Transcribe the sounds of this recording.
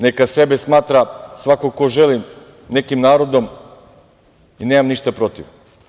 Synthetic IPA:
nekase̞besmaːt̪ɾasʋakokoʒelim | ne̞kimnaːɾo̞d̪o̞m | ineːmamniʃt̪apɾo̞t̪iʋ

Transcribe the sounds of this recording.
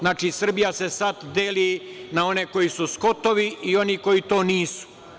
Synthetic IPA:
znaːt͡ʃisr̩bijasesat̪d̪eːlinao̞neko̞jisusko̞t̪oʋiio̞niko̞jit̪o̞ːniːsu̥

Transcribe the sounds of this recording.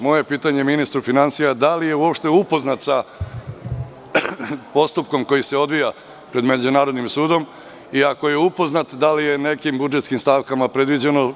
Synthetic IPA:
mo̞je̞piːt̪aɲe̞minist̪ɾufinansijad̪alije̞uo̞pʃt̪e̞upo̞znat̪sa | po̞st̪up̚ko̞mko̞jise̞o̞d̪ʋija | pɾe̞d̪me̞d͡ʑunaːɾo̞d̪nimsuːd̪o̞m | iako̞je̞upo̞znat̪d̪alije̞ne̞kimbud͡ʒet̪skimst̪aʋkamapɾe̞d̪ʋid͡ʑe̞no̞

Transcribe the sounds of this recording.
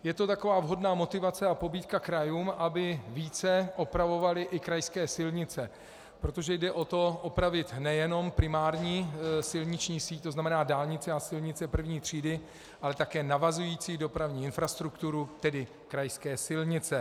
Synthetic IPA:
jɛt̪o̞t̪akovaːvɦo̞dnaːmo̞t̪ɪvat͡sɛapo̞biːt̪kakɾajuːmʔabɪviːt͡sɛʔo̞pɾavo̞valɪʔɪkɾajskɛːsɪlɲɪt͡sɛ | pɾo̞t̪o̞ʒɛjdɛʔo̞t̪o̞ʔopɾavɪt̪nɛjɛno̞mpɾɪmaːɾɲiːsɪlɲɪt͡ʃɲiːsiːc̚t̪oznamɛnaːdaːlɲɪt͡sɛasɪlɲɪt͡sɛpr̩vɲiːt̪r̝̥iːdɪ | ʔalɛt̪akɛːnavazujiːt͡siːdo̞pɾavɲiːɪnfɾast̪ɾukt̪uɾut̪ɛdɪ | kɾajskɛːsɪlɲɪt͡sɛ

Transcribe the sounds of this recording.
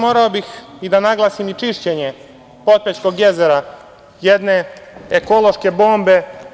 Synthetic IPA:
moːɾaobixid̪anaɡlˠaːsimit͡ʃiʃt͡ɕeɲe | po̞t̪̚pet͡ʃko̞ɡjezeɾa | jed̪ne̞eko̞lo̞ʃke̞bo̞ːmbe̞

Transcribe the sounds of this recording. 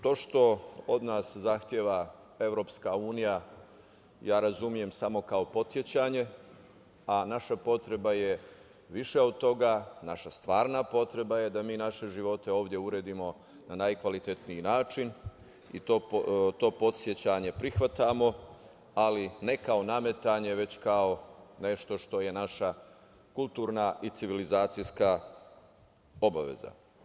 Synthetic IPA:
t̪o̞ːʃt̪o̞od̪naːszaxt̪jeːʋa | e̞ʋɾo̞pskauːnija | jaːɾazumije̞msamo̞kao̞po̞t̪sje̞t͡ɕaɲe̞ | anaʃapo̞t̪ɾe̞baje | ʋiʃe̞od̪̚t̪o̞ɡaːnaʃast̪ʋaːɾnapo̞t̪ɾe̞baje̞d̪amiːnaʃe̞ʒiʋo̞t̪e̞o̞ːʋd̪je̞uɾe̞ːd̪imo̞ | nanajkʋalit̪e̞t̪niinaːt͡ʃin | ḭt̪ot̪o̞ːpo̞t̪sjet͡ɕaɲe̞pɾixʋat̪amo̞ | aline̞kao̞name̞t̪aɲe̞ʋe̞t͡ɕkao̞ne̞ʃt̪o̞ʃt̪o̞je̞naʃa | kulˠt̪uːɾnait̪siʋilizaːt̪sijska | o̞baʋḛza̰

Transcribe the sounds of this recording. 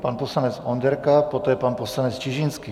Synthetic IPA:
panposlanɛt͡sond̪ɛɾkapot̪ɛːjɛpanposlanɛt͡st͡ʃiʒinski

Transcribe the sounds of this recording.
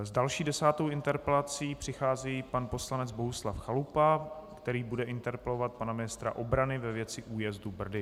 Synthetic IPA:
zdalʃiːdɛsaːt̪owɪnt̪ɛɾpɛlat͡siːpr̥ɪxaːziːpanpo̞slanɛd͡zbo̞ɦuslafxalupakt̪ɛɾiːbudɛʔɪnt̪ɛɾpɛlo̞vat̪̚panamɪnɪst̪ɾa̰ʔo̞bɾanɪvɛvjɛt͡sɪʔuːjɛzdubr̩dɪ

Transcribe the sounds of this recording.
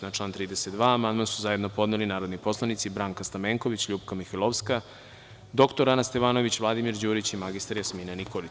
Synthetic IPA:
nat͡ʃlˠaːnt̪ɾiːd̪eset̪d̪ʋaːmand̪mansuzajed̪no̞po̞d̪nelinaːɾod̪nipo̞slˠanit̪sibɾaːŋkast̪ameŋko̞ʋit͡ɕʎuːpkamixelˠoʋska | d̪o̞kt̪oɾanast̪eʋaːno̞ʋit͡ɕʋlˠad̪imiɾd͡ʑuːɾit͡ɕimaɡist̪aɾjasmiːnanikoli

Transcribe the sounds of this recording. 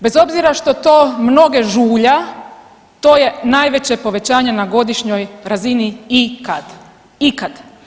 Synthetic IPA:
be̞zo̞bziɾaʃt̪o̞t̪o̞ːmno̞ɡe̞ʒuːʎa | t̪o̞ːje̞naːjʋe̞t͡ɕe̞po̞ʋe̞t͡ɕaːɲe̞naɡo̞d̪iʃɲo̞jɾaziniikad̪ | ikad̪

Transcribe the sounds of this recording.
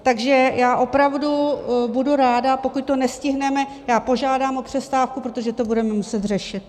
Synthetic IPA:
t̪aɡʒɛjaːʔo̞pɾavdubuduɾaːdapo̞kuc̚t̪o̞nɛscɪɦnɛmɛ | jaːpo̞ʒaːdaːmo̞pr̝̥ɛst̪aːfkupɾot̪oʒɛt̪o̞budɛmɛmusɛt̪rɛʃɪt̪̚

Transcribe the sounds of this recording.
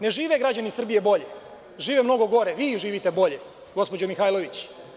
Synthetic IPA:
ne̞ʒiːʋeɡɾad͡ʑanisr̩bije̞bo̞ʎe | ʒiːʋemno̞ɡo̞ɡo̞ɾeʋiːʒiːʋit̪e̞bo̞ʎe̞ | ɡo̞spo̞d͡ʑomixaːjloʋit͡ɕ

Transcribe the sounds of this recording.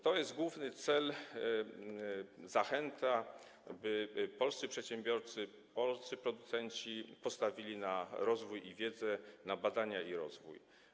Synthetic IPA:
t̪ɔjɛszd̪̚ɡwuvnɘt̪sɛl | zaxɛnt̪a | bɘpɔlssɘpʂɛt̪ɕɛmbʲjɔɾt̪sɘ | pɔlst̪ɘpɾɔd̪ut̪sɛɲt͡ɕipɔst̪avʲilʲinaɾɔzvujivʲjɛd̪zɛnabad̪aɲaiɾɔ̰zvṵj

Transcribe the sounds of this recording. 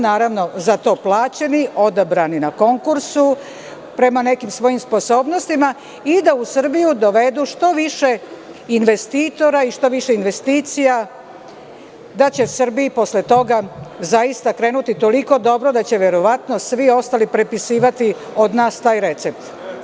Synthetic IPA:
naːɾaʋno̞zat̪o̞ːplˠaːt͡ɕe̞nio̞d̪abɾaninako̞ŋkuɾsu | pɾe̞mane̞kimsʋo̞jimspo̞so̞ːbno̞st̪ima | id̪ausr̩bijud̪o̞ʋe̞d̪uʃt̪o̞ʋiʃe̞ | inʋe̞st̪iːt̪o̞ɾaiʃt̪o̞ʋiʃeinʋe̞st̪iːt̪sija | d̪at͡ɕe̞sr̩biːpo̞slet̪o̞ɡazajist̪akɾe̞ːnut̪it̪o̞liko̞d̪o̞bɾod̪at͡ɕe̞ʋe̞ɾo̞ʋat̪nosʋio̞st̪alipɾe̞pisiːʋat̪io̞d̪naːst̪aːjɾe̞t̪se̞p̚t̪

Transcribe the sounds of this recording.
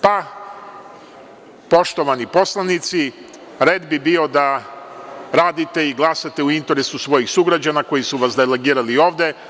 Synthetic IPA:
pa | po̞ʃt̪o̞ʋanipo̞slˠanit̪si | ɾed̪bibio̞d̪a | ɾaːd̪it̪e̞iɡlˠasat̪euint̪e̞ɾesusʋo̞jixsuɡɾad͡ʑanako̞jisuʋasd̪ele̞ɡiːɾalio̞ːʋd̪e̞

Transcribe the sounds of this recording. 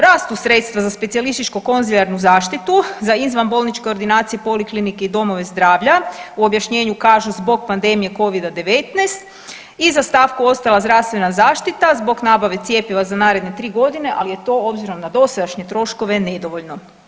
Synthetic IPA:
ɾaːst̪usɾe̞t̪st̪ʋazaspe̞t̪sijalist̪it͡ʃkuko̞nziʎaɾnuzaːʃt̪it̪uzaizʋanbo̞ːlˠnit͡ʃke̞o̞ɾd̪inaːt̪sijepo̞liklinike̞id̪o̞mo̞ʋe̞zd̪ɾaːʋʎauo̞bjaʃɲe̞ːɲukaːʒuzbo̞ɡpand̪e̞mije̞ko̞ʋid̪ad̪e̞ʋet̪nest̪ | izast̪aːʋkuo̞st̪alazd̪ɾaʋst̪ʋe̞nazaːʃt̪it̪azbo̞ɡnaːbaʋe̞t̪sije̞piʋazanaːɾe̞d̪ne̞t̪ɾiːɡo̞d̪ine̞ʔa̰lije̞t̪o̞o̞bziɾo̞mnad̪o̞sad̪aʃɲe̞t̪ɾo̞ʃko̞ʋe̞ned̪oʋoʎno̞

